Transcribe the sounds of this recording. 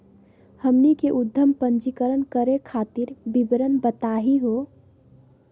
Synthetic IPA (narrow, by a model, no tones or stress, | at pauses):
həmnikeʔud̪ʱːəmpənd͡ʒikəɾənkəɾekʰat̪iɾbibɾənbət̪aɦiɦo